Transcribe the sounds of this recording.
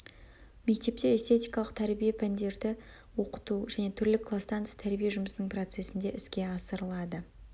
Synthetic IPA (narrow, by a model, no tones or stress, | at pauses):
me̞k̚t̪e̞p̚t̪e̞est̪ʰe̞t̪ijkɑlˠəq̚t̪ʰæɾbijepʰænd̪e̞ɾd̪ɪ | wo̞qə̥t̪uʒæne̞t̪ʰʏɾlɪkʰlˠast̪ɑnt̪t̪ʰæɾbijeʒʊməsənəɴpro̞t̪se̞sɪnd̪e̞ʔɪskʲe̞ɑsəɾəlˠɑd̪ə